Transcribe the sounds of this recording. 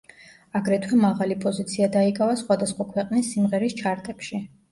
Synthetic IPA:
aɡɾɛt̪ʰwɛmaʁalipʼɔzit̪sʰiad̪aikʼavasχwad̪asχwakʰwɛqʼnisːimʁɛɾist͡ʃʰaɾt̪ʼɛpʃi

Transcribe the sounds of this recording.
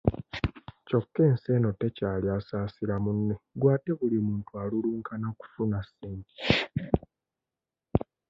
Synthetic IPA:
co̞kːe̞ːnse̞no̞te̞caːliasaːsiɾamunːeɡwaːte̞βulimuːntualuluːŋkanaku̥funasiːɲti̥

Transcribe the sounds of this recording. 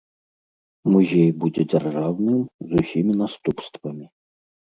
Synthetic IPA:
muzʲejbud͡zʲɛd͡zʲɐrʐawnɨmzusʲimʲinast̪upst̪vɐmʲi

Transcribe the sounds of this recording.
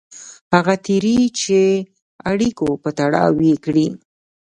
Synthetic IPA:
haɣat̪iɾit͡ʃe | aɽikopət̪aɽɑ̰wekɽi

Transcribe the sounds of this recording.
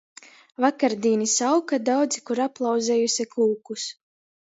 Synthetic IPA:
vakaɾd̪iːnisawkad̪awd̪zikuɾaplˠɑwd̪zʲɛːjusʲiklˠuːkus

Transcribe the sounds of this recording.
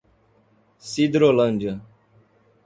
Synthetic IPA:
sid̪ɾolɐ̃nd͡ʒə

